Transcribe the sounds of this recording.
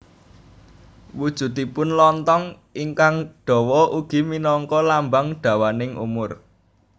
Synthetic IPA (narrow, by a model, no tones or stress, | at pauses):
wud̥ʒ̥ṳt̪ipʊnlɔnt̪ɔŋ | iŋkaŋɖ̥ɔ̤wɔʔuɡ̥i̤minɔŋkɔlambaŋɖ̪̥a̤wanɪŋʔṵmʊr